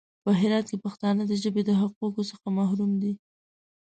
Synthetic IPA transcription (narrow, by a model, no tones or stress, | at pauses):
pəɦɪɾɑt̪̚kepaxt̪ɑnəd̪əʒəbed̪əɦaq̚ukosəxamahɾumd̪i